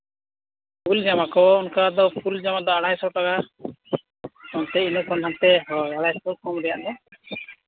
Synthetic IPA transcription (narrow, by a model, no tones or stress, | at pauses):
pʰuld͡ʒamakɔɔnkad̪ɔpʰuld͡ʒamad̪ɔaɽ̤ajsɔʈaka | kɔnt̪ɛinɔkʰɔnɦant̪ɛɦɔaɽajsɔlkʰɔmɾɛjaʔnɛ